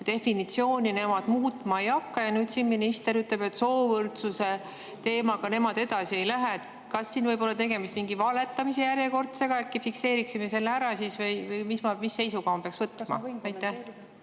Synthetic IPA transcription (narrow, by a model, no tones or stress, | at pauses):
d̪̥e̞finit̪sio̞ːnʲine̞mɑd̪̥muːt̪ˑmɑejɑkːɑjɑnyːd̪sinminiist̪e̞ɾyt̪ˑle̞b̥e̞t̪so̞ːvɤrt̪suse̞ | t̪e̞ːmɑɡ̥ɑne̞mɑd̪̥e̞d̪̥ɑsie̞jlæɦeet̪ | kɑsːinvɤjbo̞lːɑt̪e̞ɡe̞mist̪miŋɡivɑle̞t̪ːˑɑmisijæɾjeko̞rt̪seɡ̥ɑekːifikse̞ːɾiksime̞se̞lːæɾɑsisvɤjvɤjmismɑmisːe̞jsukɑwmpeɑksvɤt̪ːˑmɑ̰ɑjt̪ˑːæh